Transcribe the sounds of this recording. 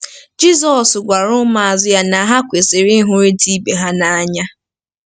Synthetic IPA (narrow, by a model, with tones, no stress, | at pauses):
d͡ʒi˦zɔ˨sɡʷa˨ɾʊ˦ma˨a˨zɪ˦ja˦na˨˦ɦa˦kʷe˨sɪ˨ɾi˦ɦʊ˦ɾe˦ti˦be˨ɦa˦na˨a˦ɲa˦